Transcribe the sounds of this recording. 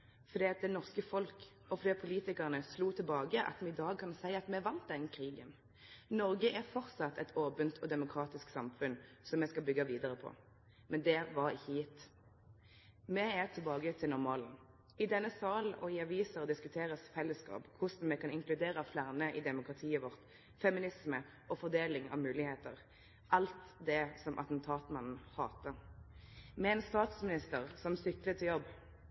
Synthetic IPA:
fɔʁd̪iːɑt̪̚d̪ɛnɔʁskəfɔlk | ɔfɔd̪iːɑt̪̚pʰʊliːt̪ɪkəʁnəsluːt̪ʰɪlbɑːɡəʔɑ̰t̪mɛɪd̪ɑːɡ̚kʰɑnsæɪəɑt̪mɛʋɑnt̪̚d̪ɛnːəkʰʁiːɡən | nɔʁɡəʔæʁfɔʁt̪sɑt̪ʰːɛt̪ʰoːpənt̪ʰɔd̪ɛmʊkʰɾɑːt̪ɪsksɑmfʉnsɔmɛskɑlbʏɡːɑʋiːd̪əʁəpʰɔ̰ | mʔɛnd̪ɛʋɑʁɪçːəjɪt̪ː | mɛæʁt̪ʰɪlbɑːɡət̪ʰɪlnɔʁmɑːln̩ | ɪd̪ɛnːəsɑːlʔɔɪɑʋiːsəʁd̪ɪskʉt̪ʰeːɾəsfɛlːəskɑ̰ːpkʰʊsn̩mɛkʰɑnɪŋklʉd̪eːɾəflæʁnəʔɪd̪ɛmʊkʁɑt̪ʰiːəʋɔʁt̪ | fɛmɪnɪsmə | ɔfɔʁd̪eːlɪŋɑ̰ʋmʉːlɪheːt̪ə̰ɾ | ʔɑlt̪d̪ɛsɔmʔɑ̰t̪n̩t̪ʰɑːt̪mɑnn̩hɑːt̪ə | mɛɛːnst̪ɑːt̪smɪnɪst̪əʁsɔmsʏklət̪ʰːɪjɔbː

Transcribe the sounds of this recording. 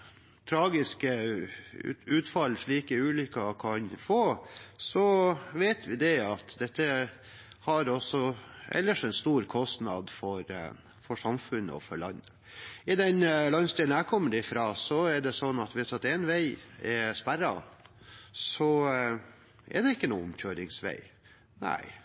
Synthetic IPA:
t̪ʰɾɑːɡɪskə̰ | ʉːt̪fɑlːʂɭiːkəʉːlʏkːɑkʰɑnfoːsɔʋeɪt̪ʰʋɪd̪ɛɑt̪d̪ɛt̪ːə | hɑɾɔsɔʔɛ̰lːəʂɛnst̪uːɾkʰɔst̪nɑd̪fɔɾ | fɔʂɑmfʉnːə̰ɔ̰fɔɭɑnːə | ɪd̪ɛnlɑnst̪iːlnækʰɔmːəɖ̪ɪfɾɑːsɔɛɖɛsɔnːɑt̪ʋɪsɑt̪ɛnʋæɪɛspæɾɑ̰ | sɔ | ɛ̰d̪ɛɪkːənṵːʊmçøːɾɪŋsʋæ̰ɪ | næ̰ɪ

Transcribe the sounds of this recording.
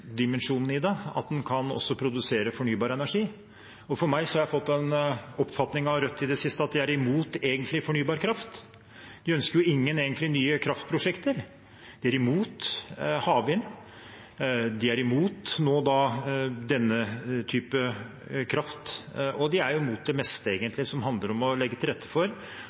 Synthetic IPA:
d̪ɪmənʂuːnən̩ɪd̪ɛɑ̰t̪̚d̪ɛnkʰɑnɔ̰sːɔpʰɾʊd̪ʉseːɾəfɔɳyːbɑːɾəɛnæʂiː | ɔfɔɾmæɪsɔhɑɾjæɪfɔt̪ːɛnɔpːfɑt̪nɪŋɑʋɾœt̪ːɪd̪ɛsɪst̪əɑt̪̚d̪ɪæɾɪmuːt̪eːɡənt̪lɪfɔɳyːbɑːɾkʰɾɑft̪ | d̪ɪœnskəɾjʊɪŋːəneːɡənt̪lɪnyːəkʰɾɑft̪̚pʰɾʊʂɛkt̪əɾ | d̪̥ɪæɾɪmuːt̪hɑːʋɪn | d̪ɪæɾɪmuːt̪noːd̪ɑd̪ɛnːət̪ʰyːpə | kʰɾɑft̪ɔd̪ɪæɾjʊɪmuːt̪̚d̪ɛmɛst̪əeːɡənt̪lɪsɔmhɑnd̪ləɾɔmɔlɛɡːət̪ʰɪlɾɛt̪ʰːə̥fɔɾ

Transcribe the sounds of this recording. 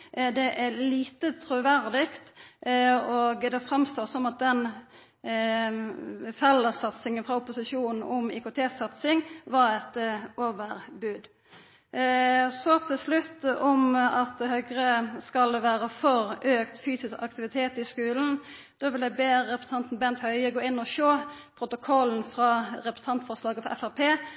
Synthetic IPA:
d̪ɛʔæliːt̪ət̪ʰɾʉʋæɾd̪ɪkt̪ | oːɡd̪ɛfɾɑmst̪oːsɔmɑt̪̚d̪ɛn | fɛlːəsɑt̪sɪŋənfʁɑʊpːʊsɪʃuːnn̩ɔmɪ̰kʊt̪ʰeːsɑt̪sɪŋʋɑɾɛt̪ʔoːʋəɾbʉːd̪ | sɔt̪ʰɪlslʉt̪ːɔmɑt̪hœɡɾəskɑlʋæːɾəfɔɾøːkt̪fyːsɪskɑkt̪ɪʋɪt̪ʰeːt̪ɪskʉːln̩ | d̪̥oːʋɪld̪æbeːʁɛpɾəs̩əɑnt̪n̩bɛnt̪hœʏəɡoːɪnːɔʃoːpʰɾʊt̪ʊkʰɔln̩fɾɑːɾɛpɾəsət̪ʰɑnt̪fɔʁslɑːɡəfɔɾʔɛ̰fæʁpʰeː

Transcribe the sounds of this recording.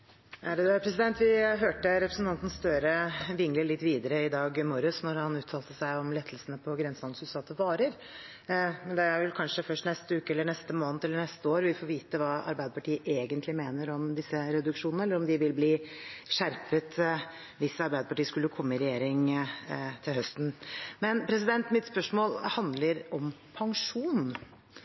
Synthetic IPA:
æɖd̪ʉæpʰɾɛsɪd̪ɛnt̪ʋɪɦøːʈəɾɛpʰɾəsn̩t̪ʰɑnt̪n̩sst̪œɾəʋɪŋləɭɪt̪ːʋiːd̪əɾəɪd̪ɑːɡmɔɾʉsnɔɾhɑnʉːt̪ʰɑːlt̪əsæɪɔmlɛt̪ʰːəlsənəpʰɔɡɾɛnsnɑnsʉsɑt̪əʋɑːɾəɾ | mɛnd̪ɛæɾʋɛlkʰɑnʂəfœʂʈnɛst̪əʉːkəɛlːəɳɛst̪əmoːnət̪ʰɛlːəɳɛst̪əoːɾʋɪfoːɾʋiːt̪əʋɑːʔɑ̰ɾbæɪd̪əpɑʈiːəʔeːɡənt̪lɪmeːnəɾɔmd̪ɪsːəɾɛd̪ʉkʂuːnnəɛlːəɾɔmd̪ɪʋɪlbliːʂæɾpət̪ | ʋɪsːəɑɾbæɪd̪əpɑʈiːəskʉlːəkʰɔmːəɪɾɛjeːɾɪŋ | t̪ʰɪlhœst̪n̩mɛnpʰɾɛs̬ɪd̪ɛnt̪mɪt̪spœʂmoːlhɑnd̪ləɾɔmpʰɑŋʂuːn

